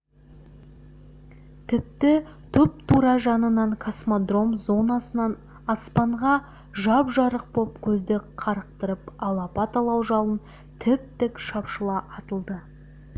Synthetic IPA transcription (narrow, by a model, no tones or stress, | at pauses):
t̪ʰɪp̚t̪ɪ | t̪ʰʏp̚t̪ʰuɾɑʒɑnənɑɴkʰosmod̪ro̞mzo̞nɑsənɑn | ɑspɑɴʁɑ | ʒɑpʒɑɾəq̚bopkʲʰɵzd̪eqʰɑɾəq̚t̪əɾəpɑlˠɑpɑt̪ɑlˠɑwʒɑlˠən | t̪ʰɪp̚t̪ɪkʃɑpʃəlˠɑʔɑt̪əlˠd̪ə